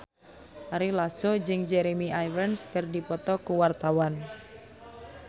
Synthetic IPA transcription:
ʔaɾilasod͡ʒɨŋd͡ʒɛɾemiʔajvənskərdipɔt̪ɔkuwart̪awan

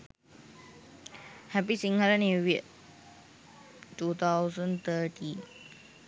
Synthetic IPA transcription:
hɛpisĩŋɡəlnuʋiə | ʈuːt̪ʰawsə̃nt̪ʰəʈʰin

